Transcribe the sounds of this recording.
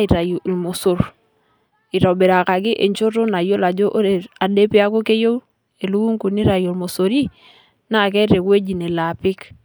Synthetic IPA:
i˨ɾa˨jo˨lmo˨so˨ɾ | i˨ɾɔ˨be˨ɾa˨ka˨ɡɪ˦ʔḛ˨ɲt͡ʃo˦to˦na˨jo˦la˨d͡ʒo˦ʔo˦ɾe˨a˨de˦pi˦a˦ko˦ke˦jo˦ | e˨lu˦ɡu˦ŋku˨ni˦ɾa˨jo˨lmo˨so˨ɾi˦ | na˦˨kɛ˦ɾe˨kwe˦d͡ʒi˨ne˨la˨pɪ˦k

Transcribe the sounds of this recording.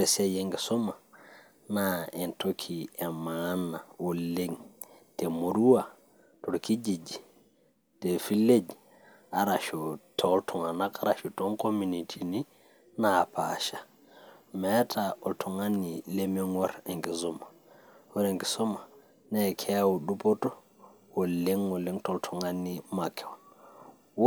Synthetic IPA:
pe˨se˦jeŋɡiso˦ma˨ | nae˨nto˦kʰi˨e˨mana˨wo˨le˦ŋte˨mo˨ɾu˦wa˨ | to˨ɾki˦d͡ʒi˨d͡ʒi | te˨fi˦le˦d͡ʒ | a˦ɾa˨ʃutʰu˦ltʰu˨ŋa˨na˦kaɾaʃu˨to˦ŋko˦mi˨ni˨tʰini˦ | napa̰ʃa | me˦tʰaɔ˨ltʰɔ˨ŋanːileme˦ŋwa˦ɾeŋki˨zɔma | we˦ɾe˨ŋki̥˨sɔ˦ma | nekʰeawu˨ɗu˦po˦to˦ | wo˨le˦ŋo˨leŋto˨ltʰɔ˨ŋanːima˨kʰe˨wa | w

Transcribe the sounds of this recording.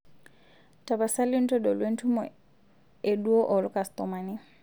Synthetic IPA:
ta˨ba˨sa˦li˦n̩˦tɔ˦ɗɔ˨lwe˦n˦tʰu˦mɔ̰˨ | e˨ɗu˦ɔ˦ʔɔ˨ɾʊ˦ka˨st̪ɔ˨ma˨nɪ˦

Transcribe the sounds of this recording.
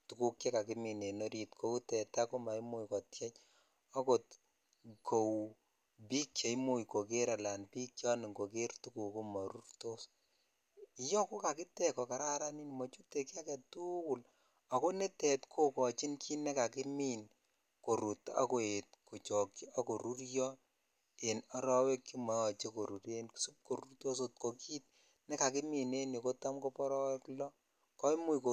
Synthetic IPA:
tu˦ku˦kje˦ka˨kɪ˦mi˨ne˨no˦ɾitkʰo˦u˦tɛ˨ta˦ko˦ma˨jmu˦jkɔ˨tjɛ˦j | a˦ko˨t | kʰo˨w | bi˦kt͡ʃe˨jmu˦˨jko˨ke˦ɾa˨la˨npi˦k̚t͡ʃa˦ni˨ŋko˨ke˦rtu˦ku˨ku˦mɔ˨ɾu˦rto˦s | i˦jɔ˦ko˦ka˨kɪ˦tɛ˦kɔ˨ka˨ɾa˦ɾa˦ni˦nmo˨t͡ʃu˦te˨ka˦kɛtu˦ku˨l | a˨ko˦nɛ˦tɛ˨tkʰo˦kɔ˨t͡ʃɪ˦nkʰi˦nɛ˦ka˨kɪ˦mi˦n | ko˨ɾu˨ta̰˦ko˨e˨tko˨t͡ʃɔ˨ki˦a˦ko˨ɾu˦ɾjɔ˦ | e˨nɔ˦ɾɔ˦we˦kːi˦ma˨ɔ˨t͡ʃe˦ko˨ɾu˨ɾe˦nku̥˨su˦p̚ko˨ɾu˦rto˦s̬o˦t̚ko˨ki˦t̚ | nɛ˦ka˨kɪ˦mi˨ne˦ni˨ko˦ta˦mko˦pɔ˦ɾɔ˦wɛ˦klɔ˦ | kɔ˦i˦mu˦ko

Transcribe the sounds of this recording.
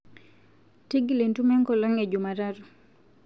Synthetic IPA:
ti˦ɡi˨lentu˦mɛ˦ŋkɔlɔ˦ŋeɟu˨ma˨ɾaɾu˨

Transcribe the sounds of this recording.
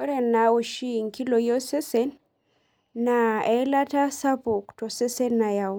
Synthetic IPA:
ɔ˦ɾɛ˨nːa˨˦u˨ʃi˦˨ŋ˨kʰi˦lɔ˨jɔ˦sɛ˦sɛ˨˦n | na˨ɛ˨˦la˦ta˦sa˦po˨ktɔ˨sɛ˦sɛ˦nːa˨ja˨u˨

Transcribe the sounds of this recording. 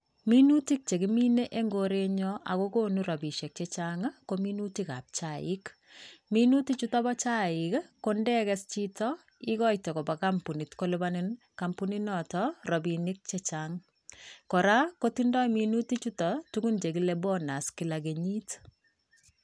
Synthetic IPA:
mi˦nu˦ti˦k̚t͡ʃe˨ɡimi˦ne˦ʔe˦ŋɡo˨ɾe˦ɲɔʔa˨ko˦ko˦nu˦ɾɔ˨bi˨ʃe˨k̚t͡ʃe˦t͡ʃaŋkomi˦nu˦ti˦ka̰˨p̚t͡ʃaɪ̰˦k | mi˦nu˦ti˦t͡ʃu˦tɔ˦bɔ˦t͡ʃa˦ɪ˨kkondɛ˦kɛ˦st͡ʃi˦tɔ | i˦kɔ˦jte˨ko˨ba˨ka˦mpu˨ni˨tko˦lɪ˦ba˦nɪ˦n | kampu˦ni˦nɔtɔɾɔ˨bi˨ni˦k̚t͡ʃɛt͡ʃaŋ | kɔ˨ɾa˦ko˦tindɔ˦jmi˦nu˦ti˦t͡ʃutɔ˨tuɡu˦nt͡ʃe˨ɡi˦lebɔ˦na˨ski˨laɡe˨ɲi˦t

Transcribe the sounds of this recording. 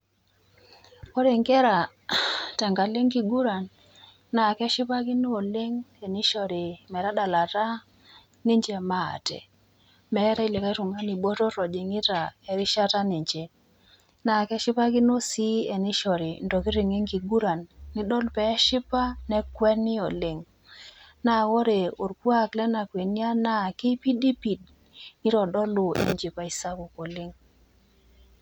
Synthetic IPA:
o˦ɾe˨ŋkɛ˦ɾa˨ | tɛ˨ŋɡa˨le˦ŋki˨ɡu˦ɾa˨nː | a˨kɛ˦ʃɪ˦pa˦ɡɪ˦n˦o˨le˦ŋe˨nɪ˦ʃɔ˨ɾɪ˨mɛ˨ɾa˦da˨la˨ta˦ | nɪ˦ɲd͡ʒɛ˨ma̰˦˨tɛ̰˨ | mɛ˦ɾa˦i˦le˨ka˦tʊ˨ŋa˦ni˨bo˦to˦ɾɔ˨d͡ʒi˨ŋɪ˦ta˨e˨ɾɪ˦ʃa˦ta˦ni˨ɲt͡ʃe˨ | na˨kɛ˦ʃɪ˦pa˦ɡɪ˦no˦si˦ɛ˨nɪ˦ʃɔ˨ɾɪ˨ndɔ˨kɪ˦ɾi˨ŋe˦ŋɡi˨ɡu˦ɾa˨nːɪ˦dɔ˦lpɛ˨˦ʃɪ˦pa˦nɛ˦kwɛ˦nɪ˦o˨lɪ˨ŋ | na˦˨wo˦ɾe˨o˨ɾkwa˦˨klɛ˦na˨kwe˨nja˦na˦˨kɪ˦pi˦di˦pi˨d | ŋɪ˦ɾɔ˨dɔ˦lʊ˨ḛ˨ɲd͡ʒɪ˨pa˨ɪ˨sa˦bo˨ko˨lɪ˦ŋ

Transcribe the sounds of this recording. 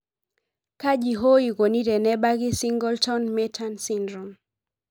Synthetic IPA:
ka˦d͡ʒi˨ɦo˦i˨ko˨ni˦ɾɛ˨nɛ˦baɡi˦si˦ŋɡɔ˦ltɔ˦nmɛtʰa˦nsi˦ndɾɔ˨m

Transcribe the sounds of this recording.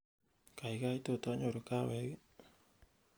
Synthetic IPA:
ka˨i˨ɣa˦i˦t̪o˦˨t̪ɔ˦ɲo˨ɾo˨ka˦wɛ˨˦ɣe˦

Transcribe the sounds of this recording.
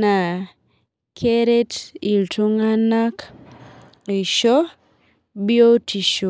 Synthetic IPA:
na˨ | kʰe˦ɾe˦ti˨ltʰu˦ŋa˦na˦k | e˨ʃo˦ | bi˦o˦tʰi˨ʃo˨

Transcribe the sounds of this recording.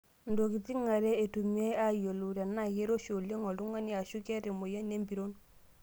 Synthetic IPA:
ndo˨ki˨ti˦ŋa˨ɾe˦e˨tu˨mi˦e˦a˦jo˨lu˨ɾa˨nːa˦ke˦ɾo˦ʃo˨li˦ŋo˨lu˦ŋa˦ni˨a˨ʃu˦ke˦ɾe˨mo˨ja˦ne˦mbi˨ɾo˦n

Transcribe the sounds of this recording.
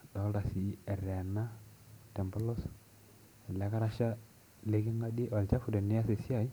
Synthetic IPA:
dɔ˨˦lda˨si˨˦ɛ˨ɾɛ˨na˦tɛ˨mbɔ˦lɔ˦s | ɛ˨lɛ˨˦ka˦ɾa˦ʃa˦ | le˦ki˦ŋɡa˦di˦ʔɔ˨lt͡ʃa˦fu˨de˨nɛ˦a˦se˨si˦a˦˨i˦

